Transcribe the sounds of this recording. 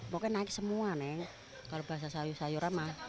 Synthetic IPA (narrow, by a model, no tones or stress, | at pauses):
mokɛnaɪk̚səmuanɛŋ | kalobaɦas̬asajusajuɾama